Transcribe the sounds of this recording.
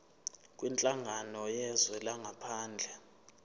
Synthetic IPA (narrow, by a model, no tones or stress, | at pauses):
kʼwint͡ɬʼaŋʱanɔjɛzwɛlaŋɡʱapʰaːnd͡ɮʱɛ